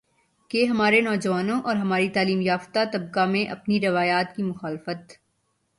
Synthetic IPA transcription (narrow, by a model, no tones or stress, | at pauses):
keɦɐmaːɾenɔːd͡ʒʋaːnõʔɔːɾɦɐmaːɾit̪aːliːmjaːft̪at̪ɐb̚kamẽʔɐpniɾɐʋaːjaːt̪kimʊxaːlfət̪